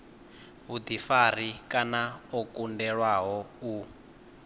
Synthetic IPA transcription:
ɦud̪ifar̤ikʼanaɔkʼundɛɺwaɦɔu

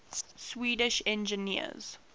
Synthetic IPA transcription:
swiːdɪʃɛ̃nd͡ʒɪniə̰z̥

